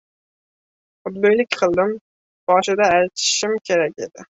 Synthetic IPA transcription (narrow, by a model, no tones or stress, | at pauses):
ʊd̪̚bøjlɪkʲqʰɨlˠd̪ɪm | b̥ɑːʃɪd̪ɑæjt̪ʰɪ̥ʃɪmkʲʰeɾɛkʲed̪ɪ